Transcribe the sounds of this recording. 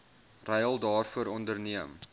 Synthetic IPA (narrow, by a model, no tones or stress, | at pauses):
rɛjəlˠdɑːrfuəɾɔndərniəm